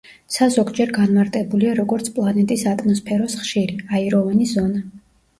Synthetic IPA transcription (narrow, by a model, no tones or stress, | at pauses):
sazɔɡd͡ʒɛɾɡanmaɾt̪ʼɛbuliaɾɔɡɔɾt̪sʰpʼlˠanɛt̪ʼisat̪ʼmɔspʰɛɾɔsχʃiɾiaiɾɔvanizɔna